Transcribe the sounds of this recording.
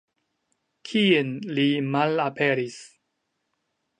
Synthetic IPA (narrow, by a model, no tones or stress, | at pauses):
kʰienlimalapʰe̞ɾis